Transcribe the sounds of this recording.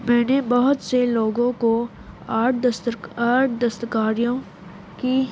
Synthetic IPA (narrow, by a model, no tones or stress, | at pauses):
mɛ̃ːnebɐɦʊt̪seloːɡõko | aːsaːʈd̪ɐst̪əkaːɾijõ | ki